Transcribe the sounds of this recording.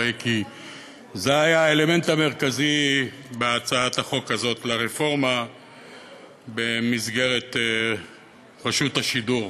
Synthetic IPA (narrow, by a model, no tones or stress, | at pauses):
eki | zeajaele̞me̞nt̪ame̞ʁ̞kazi | beat͡saat̪aχo̞kazo̞t̪laʁefo̞ʁma | be̞mizɡe̞ʁe̞t̪ | ʁeʃuthaʃiduʁ